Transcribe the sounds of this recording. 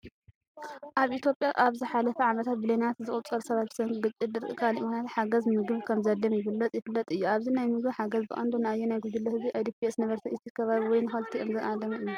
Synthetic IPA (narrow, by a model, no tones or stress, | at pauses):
ʔaβʔit̪ʰjo̞pʼjaʔaβzɨħalɐfɐʕamɐt̪ʰat̪̚bɨlenat̪zɨχʼut͡sʼɐɾsɐβat̪̚b̥sɐŋɡɨt͡ʃʼːɨd̪ɨɾɨkʰaliʔikonat̪ħaɡɐzmɨɡɨβkʰɐmzɐd̪ːɐmjɪβɨlːɐt͡sʼjɪfɨlːɐt̪ʼɨjːuaβzinajmɨɡbħaɡɐzbɨʔʼa̰nd̪onɨajːenajɡud̪ɨlːɐhɨziʔajd̪ipʰiesnɐβɐɾt̪ʰɐʔɨt̪ʰikʰɐβaβiwɔjnɨxɐlt̪ʰiʔɨmzɐʔad̪ɐmɨjːu